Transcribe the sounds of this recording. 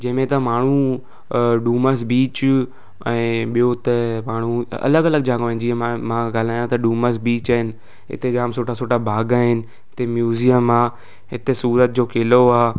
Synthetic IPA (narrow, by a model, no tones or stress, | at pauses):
d͡ʑɐ̃ɦɪ̃mẽt̪ɐmaːɳ̤ũ | ɖuːməsbiːt͡ɕ | ɛ̃ːɓijot̪ɐmaːɽ̤ũɐ̰ləɡɐləɡ̚d͡ʑaːɡoɪ̃nd͡ʑiːẽmãɡaːl̤aːjãt̪ɐɖuːməsbiːt͡ɕaːɦɪnɪ̆ | ɪ̰t̪ed͡ʑaːmsoːʈʰasoːʈabʱaːɡaːɦɪnɪ̆ | ɪt̪emjuːzijəmaː | ɦɪt̪esuːɾət̪̚d͡ʑoːkeːloaː